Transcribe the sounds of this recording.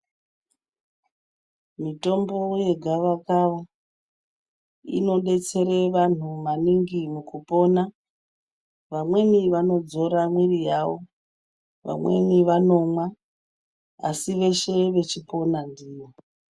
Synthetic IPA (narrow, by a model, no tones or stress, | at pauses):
mito̞mbo̞je̞ɡʱaʋakaʋa | ḭno̞ɗe̞t͡se̞ɾe̞ʋan̤umaniŋɡimukupo̞na | ʋamwe̞miʋano̞d͡zo̞ɾamwirijaʋo̞ | ʋa̰mwe̞̰miʋano̞mwa | a̰siʋe̞ʃe̞ʋe̞t͡ʃipo̞nandiːʋo